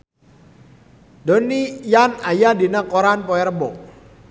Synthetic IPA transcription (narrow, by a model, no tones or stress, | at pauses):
donijanajadinakoɾanpɔɛɾbɔ